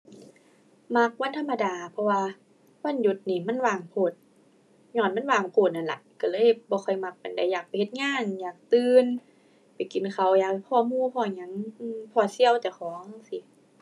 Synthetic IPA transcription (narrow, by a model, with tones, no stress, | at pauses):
ma˧˥k̚wa˧˥˨nt̪ʰmːa˧daː˨˩pʰɔ˧waː˧ | wa˧˥˨nju˧t̪̚niː˧˩ma˧˥˨nwaː˨˩ŋpʰoː˧˩t̪̚ | ɲɔː˧˩˨nma˧˥˨nwaː˨˩ŋpʰoː˧˩t̪̚na˧˩nla̰˧ʔka˧˩lɤː˧˥˨jbɔː˧xʰɔ˧˩jma˧k̚pa˨nda˧˩˨jːaː˨˩k̚pa˨jhe˧t̪̚ŋaː˧˥˨ŋjaː˨˩k̚t̪ɯː˧n | pa˨jki˨˩nkʰa˧˩wjaː˨˩kkʰːɔː˧˨muː˧˥˨pʰɔː˧˩ɲa˧˥˨ŋʔɯː˧˩pʰɔː˧˩si˧˥˨əwt̪ɛː˧˩xʰɔː˨˦ŋsi˧˦